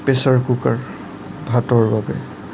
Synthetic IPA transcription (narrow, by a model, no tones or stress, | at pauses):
pesaɹkukaɹ | bʱatɔɹbabɛ̰